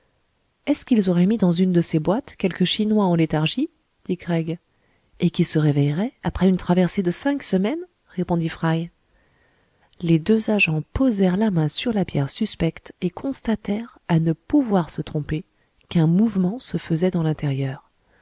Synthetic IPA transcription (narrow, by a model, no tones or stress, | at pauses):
ɛskilzɔʁɛmid̪ɑ̃zynd̪əsebwat̪kʲɛlkəʃinwaɑ̃let̪aʁʒi | d̪̥ikʁɛɡ | ekʲisəʁevɛjʁɛapχɛynt̪χavɛʁsed̪əsɛ̃ksəmɛn | ʁepɔ̃d̪ifχaj | led̪øzaʒɑ̃pozɛʁlamɛ̃syʁlapjɛʁsyspɛkt̪ekʰɔ̃st̪at̪ɛʁanəpuvwaʁsət̪χɔ̃pe | kɛ̃muvmɑ̃səfəzɛd̪ɑ̃lɛ̃t̪eʁjœːʁ